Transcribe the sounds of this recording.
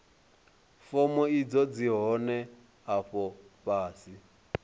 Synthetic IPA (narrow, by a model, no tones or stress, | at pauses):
fɔmɔid͡zɔd͡ziɦɔnɛ | ɦaɸɔɸaːsi